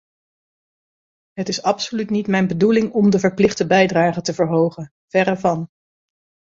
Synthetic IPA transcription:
ɦətɪsɑpsolytnitmɛjnbədulɪŋɔmdəvəɹplɪχdəbɛjdraːχətəvəɹɦowχən | v̥ɛrəvɑn

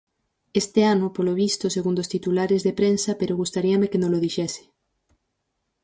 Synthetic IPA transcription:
est̪eanʊpoloβ̞ist̪oseɣund̪ost̪it̪ulaɾezðepɾensapeɾoɣust̪aɾiamekenõloð̞iʃesɪ̥

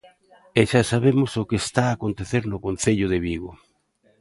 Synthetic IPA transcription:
eʃasaβemʊsʊkest̪aːkont̪eθeɾnʊkonθeʎʊð̞eβiɣʊ

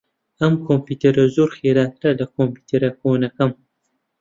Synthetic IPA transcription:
ɐmkʰompuːt̪ʰeɾɐzoɾxeːɾaːt̪ʰɨɾɐlɐkʰompu̥ːt̪ʰeɾɐkʰonɐkɐm

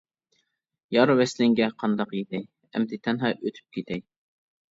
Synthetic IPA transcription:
jɑɾwɛslɪŋɡʲɛqʰɑnd̪ɑqjet̪ʰɛj | ɛ̰md̪ɪt̪ʰɛnɦɑʔøt̪ʰy̥p̚kʲʰit̪ʰɛj

